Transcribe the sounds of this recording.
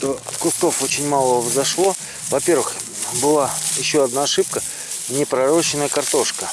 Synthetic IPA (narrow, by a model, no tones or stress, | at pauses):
t̪o̞fkʊst̪o̞fot͡ɕɪnʲmalˠəvzɐʂlˠo̞ | vɐpʲe̞rvɨx | bɨlˠajɪɕːo̞ɐd̪naːʂɨp̚kə | nʲɪpɾɐɾo̞ɕɪnəjəkɐrt̪o̞ʂkə